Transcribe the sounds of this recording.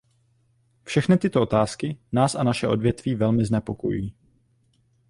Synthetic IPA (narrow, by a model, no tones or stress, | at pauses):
fʃɛxnɪt̪ɪt̪oʔo̞t̪aːskɪnaːsʔanaʃɛʔo̞dvjɛt̪viːvɛlmɪznɛpo̞kojṵjiː